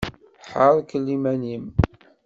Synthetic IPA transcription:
ħəɾˤkəlːimænim

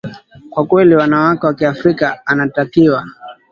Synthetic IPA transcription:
kwakwɛliwanawakɛwakiafɾikaːnatakiwa

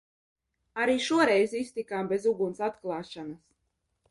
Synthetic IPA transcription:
aɾiːʃuɔɾɛjzist̪ikaːmbezuɡunsat̪klˠaːʃanas

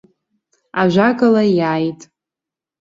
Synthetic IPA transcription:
aʒʷakʼalajaːjtʼ

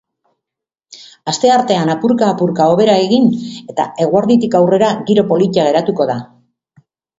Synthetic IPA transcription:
ast̪e̞aɾt̪e̞anapuɾkaːpuɾkao̞β̞e̞ɾae̞ɣine̞t̪a̰e̞ɣwaɾðit̪ikawre̞ɾaɣiɾo̞po̞lit̪aɣ̞e̞ɾat̪uko̞ða

